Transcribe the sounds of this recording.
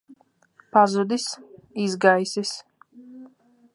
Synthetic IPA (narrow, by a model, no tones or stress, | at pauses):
pʰazud̪isizɡaisis